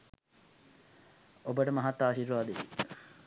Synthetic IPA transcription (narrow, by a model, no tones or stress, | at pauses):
obəʈəmɐɦat̪ːaːʃiːɾʋaːd̪eʋḭ